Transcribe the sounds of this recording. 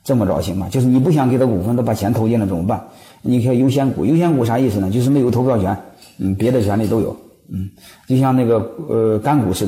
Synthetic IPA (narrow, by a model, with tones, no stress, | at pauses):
ʈ͡ʂɤ˥˩mə˩ʈ͡ʂɑ̰˨˩ʊɕi˧˥ŋmɐ˨˩t͡ɕjo˥˧ʊʂɻ̩˥˩ni˨˩p̬u˥˩ɕ̬jɑ˧˩ŋkɪə˧˥kṵ˨˩fə˥nt̪o˥pa˨˩t͡ɕʰjɛ˧˥nt̪ʰʊt͡ɕjɛ˥nd̪ə˨ʈ͡ʂɤ˥˩ŋm˧˥ba˥˩n | ni˨˩kʰe˧˥˩i˨˩jo˥ʊɕ̬jɛ˥nkṵ˨˩jo˥ʊɕ̬jɛ˥nku˨˥˩ʂa˥˧i˥˩sɹ̩˩ə˩t͡ɕo˥˧ʊʂ̬ɻ̩˥˧m˧˥˩jo˧˥˩t̪ʰʊpjɑ˥˩ʊt͡ɕʰɥɛ˧˥n | n̩˥˩pjɛ˧˥d̪ə˧t͡ɕʰɥɛ˧˥nli˨˩t̪o˥ʊjo̰˨˩˦ʊ | n̩˥˩t͡ɕjo˥˧ʊɕjɑ˥˧ŋna˥˩ɡə˩ə˧ka˥nku˨˩ʂɻ̩˥˩